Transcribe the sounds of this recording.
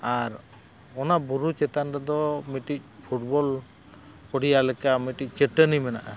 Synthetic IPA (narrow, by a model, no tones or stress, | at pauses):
aɾ | ɔnabuɾut͡ʃɛt̪anɾɛd̪ɔmiʈic̚ˀpʰuʈbɔl | pɔɽijalɛkamiʈic̚ˀt͡ʃəʈənimɛna̰ʔa̰